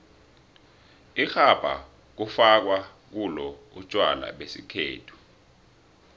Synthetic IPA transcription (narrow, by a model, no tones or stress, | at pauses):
ixab̥ʱa̰ | k̬ufak̬wa | k̬ulɔut͡ʃʼwa̰la̰ɓesikʰḛːtʰu̥